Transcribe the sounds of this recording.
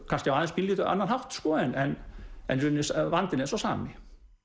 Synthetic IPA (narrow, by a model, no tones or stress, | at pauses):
kʰast̪jawaːðɛnspʰiliːt̪ʏʔa̰nːanhaft̪skɔːɛnɛnɛ̰nrʏnːɪsvant̪ɪnɛnsɔsaːmɪ